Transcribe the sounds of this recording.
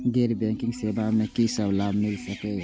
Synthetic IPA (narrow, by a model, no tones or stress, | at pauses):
ɡeɾbɛ̃ŋkĩŋɡsebamẽkisəblabmilsɐkɛ